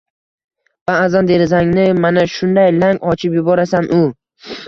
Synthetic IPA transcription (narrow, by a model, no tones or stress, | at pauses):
vaːzand̪e̞ɾɪzaŋnɪmanaʃʊnd̪ajlaŋɒt͡ʃʰɪpjʊbɒɾasanʔʊ